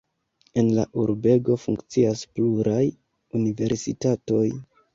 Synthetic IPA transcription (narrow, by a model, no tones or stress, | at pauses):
e̞nla̰ʔuɾbe̞ɡo̞fṵŋkt͡siaspluɾaj | unive̞ɾsitato̞j